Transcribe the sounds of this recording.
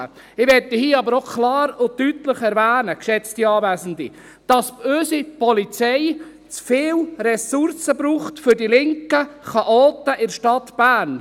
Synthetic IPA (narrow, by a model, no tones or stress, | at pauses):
ə | ɪʋɛtːihiːəɑbəɾokʰlɑːɾʊtytləχɛɾvæːnəkʃɛt͡stiɑːvæːsən̩dḭ | d̥ɑspøːsipɔlit͡sɛɪ | t͡sfɪːlrɛsʊɾsəbɾuːχtfʏɾdilɪŋkəχɑʔoːtəʔɪɾʃtɑt̪b̥æːɾn